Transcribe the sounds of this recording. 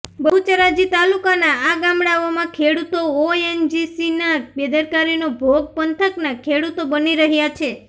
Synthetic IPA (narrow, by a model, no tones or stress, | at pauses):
bəɦut͡ʃəɾad͡ʒit̪alukanaaɡãmɽaomãkʰeɽut̪ooend͡ʒisinabed̪əɾkaɾinobʱoɡ̚pənt̪ʰəknakʰeɽut̪obəniɾəɦjat͡ʃʰe